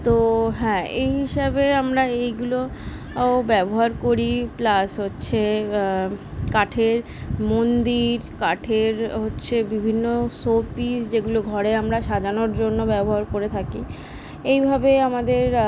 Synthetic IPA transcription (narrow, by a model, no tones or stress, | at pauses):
t̪oɦɛ̃ːejɦiʃabeamɾaejɡulo | obɛboɦaɾkoɾiplasɦotːɕʰe | kaʈʰeɾ | mond̪iɾkaʈʰeɾɦotːɕʰebibʱinːosopisd͡ʑeɡuloɡʱɔɾeamɾaʃad͡ʑanoɾd͡ʑonːobɛboɦaɾkoɾet̪ʰaki | ejbʱabeamad̪eɾ